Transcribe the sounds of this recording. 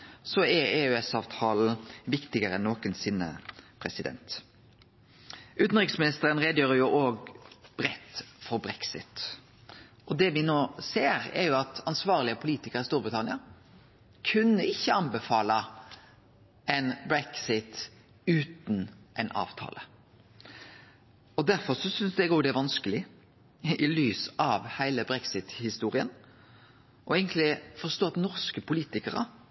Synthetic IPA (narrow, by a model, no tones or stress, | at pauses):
sɔɛɾeːʉɛsɑːʋt̪ʰɑːl̩ʋɪkt̪ɪɡəɾəɛnːoːkənsɪnːə̰pʰɾɛsɪd̪ɛ̰nt̪ | ʔʉːt̪n̩ʁɪksmɪnɪst̪əɾənɾeːd̪əjøːɾəjʊʔoːɡb̥ɾɛt̪ːfɔɾbɾɛksɪ̰t̪ | ʔɔd̪ɛʋɪnoːseːɾɛ̰ɾjʊɑt̪ɑnsʋɑːʁlɪəpʰʊliːt̪ɪkəɾɪst̪uːɾbɾɪt̪ʰɑnɪɑ | kʰʉnːəɪçːəɑnbɛfɑːlɑ | ɛnbɾɛksɪt̪ | ʉːt̪nʔɛnʔɑ̰ːʋt̪ʰɑ̰ːlə | ɔd̪æɾfɔsɔsʏnsd̪ɛɡoːɡd̪ɛæɾʋɑnskəlɪ | ɪlyːsɑʋhæɪləbɾɛksɪt̪hɪst̪uːɾɪə̰n | ʔɔɛɪɡənt̪lɪfɔʂt̪oːɑt̪nɔʁskəpʰʊliːt̪ɪkəɾə̰